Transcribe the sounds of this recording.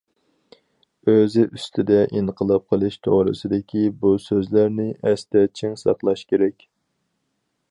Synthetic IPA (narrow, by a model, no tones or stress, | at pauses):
øzɪʔyst̪ʰɪd̪ɛʔinqəlˠɑp̚qʰəlˠɨʃt̪ʰoʁɾɨ̰sɨd̪ɪkʲʰibusøzlæɾnɪʔɛst̪ɛt͡ʃʰiŋsɑqlˠɑʃkʲʰeɾɛkʲ